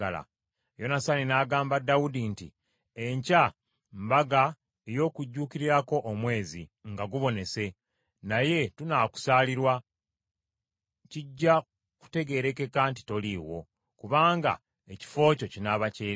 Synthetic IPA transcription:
ala̰ | jo̞nasaninaːɡaːmbadːaudintḭ | eɲca | mbaɡa | ejo̞ːkuɟːuːkiɾiɾako̞ʔːmwe̞ːzḭŋɡaɡuβo̞ne̞se̞ | naje̞tunaku̥saːliɾwa | ciɟːa | ku̥te̞ɡe̞ːɾe̞ke̞kanti̥to̞liːwo̞̰ | kuβaːŋɡa̰ | e̞ci̥fo̞ːco̞cinaβaceː

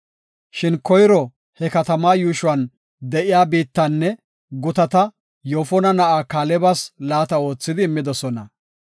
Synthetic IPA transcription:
ʃɪnkɔjɾɔ | hɛkɐt̪ɐmaːjuːʃʊwɐn | d̪ɛʔɪjaːbiːt̪ːɐnːɛ | ɡʊt̪ɐt̪ɐ | joːfɔnɐnɐʔaːkaːlɛbɐslaːt̪ɐo̞ːt͡sːɪd̪ɪːmːɪd̪ɔsɔnɐ

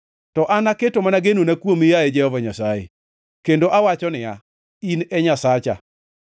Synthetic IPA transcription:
tɔʔanaketomanaɡenonakwomijaed͡ʒɛhɔvaɲasajḛ | kendoʔawat͡ʃɔnɪja | inɛɲasat͡ʃa̰

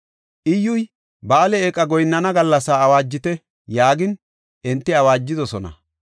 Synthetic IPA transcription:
ʔɪjːʊj | baːlɛekʼːɐɡɔjnːɐnɐɡɐlːɐsaːwaːd͡ʒːɪt̪ɛ | jaːɡɪn | ʔɛnt̪ːɪɐwaːd͡ʒːɪd̪ɔsɔnɐ̰

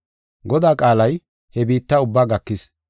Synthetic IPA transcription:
ɡɔd̪aːkʼaːlɐj | hɛbiːt̪ːaʊbːaːɡɐkːɪs

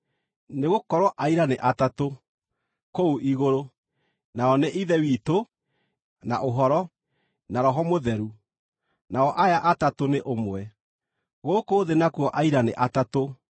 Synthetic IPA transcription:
neɣokɔɾwɔʔaiɾaneʔatato | kouʔiɣoɾo | naɔneʔiðɛwito | na̰ʔoɦɔɾɔ | naɾɔɦɔmoðɛɾu | naɔʔajaʔatatoneʔomwɛ | ɣokoːðenakuɔʔaiɾanḛʔatato

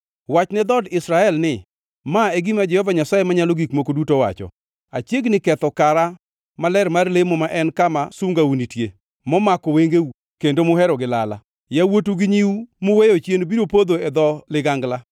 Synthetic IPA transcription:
wat͡ʃnɛd̪ɔdɪsɾaɛlnɪ | maɛɡimad͡ʒɛhɔvaɲasajemaɲaloɡikmokodutowa̰t͡ʃɔ̰ | at͡ʃjeɡnɪkɛt̪ɔkaɾa | malɛɾmarlemɔmaʔɛnkamasuŋɡaunitje | mɔmakɔweŋɡeu | kendomʊɦɛɾɔɡɪlala̰ | jawotuɡɪɲiumʊwejot͡ʃjenobiɾopod̪oɛd̪ɔlɪɡaŋɡla

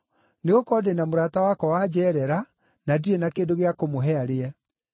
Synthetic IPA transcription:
neɣokɔːdenamoɾatawakɔwad͡ʑɛːɾɛɾa | nadiɾenakeːndoɣeakomoɦɛaɾeɛ

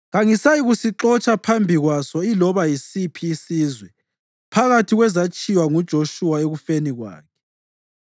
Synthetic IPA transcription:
ɣaŋisajiɣusiǁɔt͡ʃʼapʰambʱiɣwasɔilɔβajisipʰiːsizwɛ | pʰaɣatʰiɣwɛzat͡ʃʼiwaŋud̥ʒ̥ʱoʃuwaeɣufeniɣwa̰ːkʰɛ̥

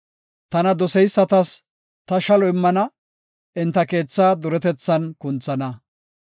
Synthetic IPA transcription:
t̪ɐnɐd̪ɔsɛjsːɐt̪ɐs | t̪ɐʃɐlɔɪmːɐnɐ | ɪnt̪ɐke̞ːt͡sːaːd̪ʊɾɛt̪ɛt͡sːɐnkʊnt͡sːɐnɐ

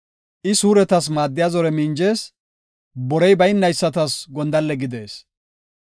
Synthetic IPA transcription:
ʔɪsuːɾɛt̪ɐs̬maːd̪ːɪjazɔɾɛmɪnd͡ʒe̞ːs | bɔɾɛjbɐjɪnːɐjsːɐt̪ɐsɡɔnd̪ɐlːɛɡɪd̪e̞ːs

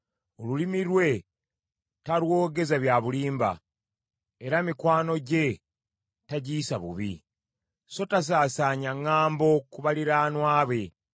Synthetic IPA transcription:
o̞lulimiɾwe̞ | talwo̞ːɡe̞zaβjaːβuliːmba̰ | eɾamikwaːno̞ɟe̞ | taɟiːsaβṵβḭ | so̞tas̬aːsaːɲaŋːaːmbo̞kuβaliɾaːnwaːβwe̞

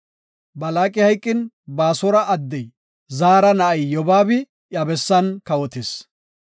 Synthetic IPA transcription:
bɐlaːkʼɪhɐjkʼːɪn | baːsɔɾɐʔɐd̪ːɛj | zaːɾɐnɐʔɐjːɔbaːbɪ | ʔjɐbɛsːɐnkɐwɔt̪ɪs

